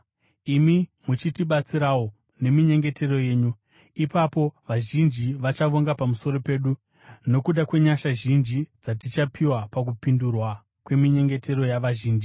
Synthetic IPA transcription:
imimut͡ʃitiɓat͡siɾawo̞ | ne̞miɲe̞ŋɡe̞te̞ro̞je̞ːɲu | ipapo̞ʋaʒind͡ʒiʋat͡ʃaʋoŋɡapamuso̞ɾo̞pe̞ːɗu | no̞kuɗakwe̞ɲaʃaʒind͡ʒid͡zatit͡ʃapʰiwapak̬upindurwa | kwe̞miɲe̞ŋɡe̞te̞ɾo̞jaʋaʒiːnd͡ʒi

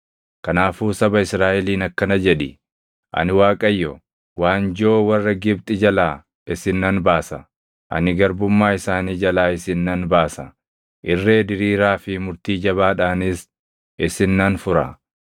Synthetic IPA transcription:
kɐnaːfuːsɐbɐɪsɾaːʔɛliːnɐkːɐnɐd͡ʒɛᶑɪ | ʔɐ̰nɪwaːkʼɐjːɔ | waːnd͡ʒoːwɐrːɐɡɪb̚t̪ʼɪd͡ʒɐlaː | ɪsɪnːɐnbaːsɐ | ʔɐ̰nɪɡɐɾbʊmːaːɪsaːniːd͡ʒɐlaːɪsɪnːɐnbaːsɐ | ʔɪrːe̞ːd̪ɪɾiːɾaːfɪmʊɾt̪iːd͡ʒɐβaːᶑaːnɪs | ɪsɪnːɐnfʊɾɐ̰

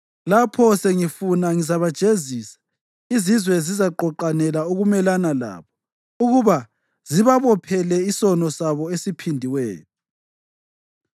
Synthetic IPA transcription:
lapʰɔseŋifunaŋizaβad̥ʒ̥ʱeziːsḁ | izizwɛzizaǃɔǃanɛlauɣumɛlanala̰ːβɔ | uɣuβa | ziβaβɔpʰɛlɛisɔnɔsaβɔesipʰindʱiwɛ̰ːtʰu

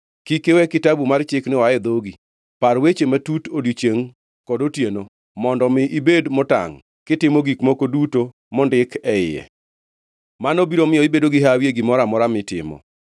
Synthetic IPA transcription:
kikewɛkɪtabumart͡ʃɪknɪwaɛd̪oɡi | paɾwet͡ʃematutodjit͡ʃeŋ | kɔdotjeno | mɔndɔmɪʔibedmɔta̰ŋ | kɪtɪmoɡikmokoduto | mɔndɪkʰɛɪ̰jɛ̰ | manobiɾomɪjɔibedoɡɪɦawjeɡɪmɔɾamɔɾamɪtɪ̰mɔ̰

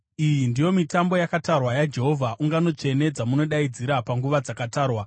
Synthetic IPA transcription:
ijindijo̞mitambo̞jakatarwajad͡ʒe̞ɦo̞vʱaʔuŋɡano̞t͡ʂe̞ne̞d͡zamuno̞ɗaid͡ziɾapaŋɡuʋad͡zakataːrwa

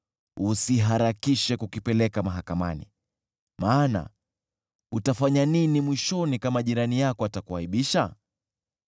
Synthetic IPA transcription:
usiɦaɾakiʃɛkukipɛlɛkamaɦakama̰nḭ | maːna̰ | utafaɲaninimwiʃɔnikamaʄiɾanijakɔatakuhaiɓiʃa

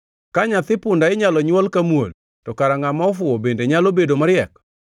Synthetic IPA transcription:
kaɲat̪ɪpʊndaɪɲalɔɲwɔlkamwo̰l | tɔkaɾaŋamaɔfwʊɔbendeɲalobedomaɾɪjɛk

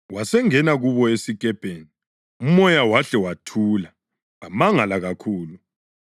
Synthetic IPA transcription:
wasɛŋɛnaɣuβɔesikʼɛb̥ʱeːni | umɔjawaɬɛwatʰuːla | ɣamaŋalaɣakʰuːlu

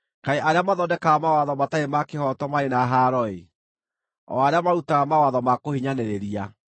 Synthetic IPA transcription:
kaeʔaɾeamaðɔdɛkaɣamawaðɔmataemakehɔtɔmaɾenaɦaɾɔe | ɔ̰aɾeamaɾutaɣamawaðɔmakohiɲanɛɾeɾia

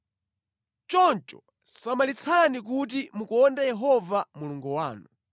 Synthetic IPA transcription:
t͡ʃɔnt͡ʃɔ̰ | samalit͡sʰanik̬ut̬imukɔndɛjɛɦɔvamuluŋɡuwa̰ːnu

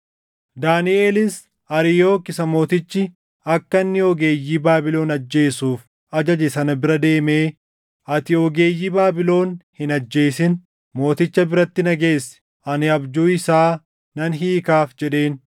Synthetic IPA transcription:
d̪aːnɪeːlɪs | ɐɾɪjoːkɪsɐmo̞ːt̪ɪt͡ʃːɪ | ɐkːɐnːɪɔɡeːjːiːbaːbɪlo̞ːnɐd͡ʒːe̞ːsuːf | ɐd͡ʒɐd͡ʒɛsɐnɐbɪɾɐd̪e̞ːme̞ː | ʔɐt̪ɪɔɡe̞ːjːiːbaːbɪlo̞ːnhɪnɐd͡ʒːe̞ːsɪn | mo̞ːt̪ɪt͡ʃːɐbɪɾɐt̪ːɪnɐɡe̞ːsɛ̥ | ʔɐnɪɐbd͡ʒuːɪsaː | nɐnɦiːkaːfd͡ʒɛᶑe̞ːn

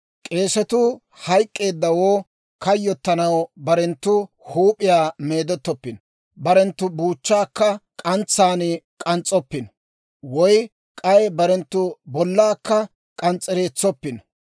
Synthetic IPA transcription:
kʼe̞ːsɛt̪ʊ | hɐjkʼːe̞ːd̪ːɐwoː | kɐjːɔt̪ːɐnɐwbɐɾɛnt̪ːʊhuːpʼɪjaːme̞ːd̪ɔt̪ːɔpːɪn | bɐɾɛnt̪ːʊbuːt͡ʃːaːkːɐkʼɐnt͡sːaːnkʼɐnt͡sʼːɔpːɪn | wɔj | kʼɐjbɐɾɛnt̪ːʊbɔlːaːkːɐ | kʼɐnt͡sʼːɛɾeːt͡sːɔpːɪn

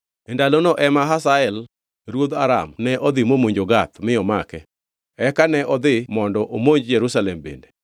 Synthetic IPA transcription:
ɛndalonɔʔɛmaɦasaɛl | ɾwod̪aɾa̰mnɛʔɔd̪ɪmomoɲd͡ʒoɡat̪mɪɔmakɛ̰ | ɛkanɛʔɔd̪ɪmɔndɔʔomoɲd͡ʒjɛɾusalɛmbḛnde

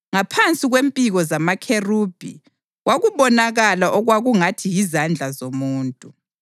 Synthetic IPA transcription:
ŋapʰant͡sʼiɣwempʼiɣɔzamakʰeruːb̥ʱḭ | waɣuβɔnaɣalaʔɔɣwaɣuŋatʰijizand͡ɮʱazomuːntʼu

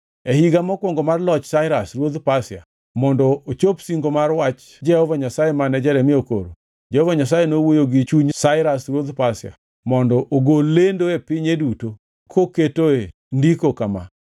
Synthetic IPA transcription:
ehiɡamɔkwɔŋɡɔmarlɔt͡ʃsaɪɾasrwod̪pasɪa̰ | mɔndɔot͡ʃopsiŋɡomarwat͡ʃ | d͡ʒɛhɔvaɲasajemanɛd͡ʒɛɾɛmɪoko̰ɾo̰ | d͡ʒɛhɔvaɲas̬ajenowojoɡɪt͡ʃuɲsaɪɾasɾwod̪pasɪa̰ | mɔndɔʔoɡolendoepɪɲeduto | kʰoketoe | ndikokama̰

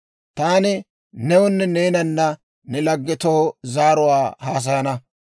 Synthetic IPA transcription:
t̪aːnɪ | nɛwʊnːɛneːnɐnːɐ | nɛlɐɡːɛt̪oːzaːɾʊwaːhaːs̬ɐjɐnɐ

